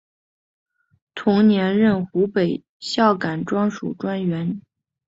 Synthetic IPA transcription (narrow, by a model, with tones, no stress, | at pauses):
t̪ʰʊ˧˥ŋnjɛ˧˥nɻə˥˩nxu˧˥pe˨˩ɪ | ɕjɑ˥˩ʊka˨˩nʈ͡ʂwɑ˥ŋʂṵ˨˩ʈ͡ʂwa˥nɥɛ˧˥n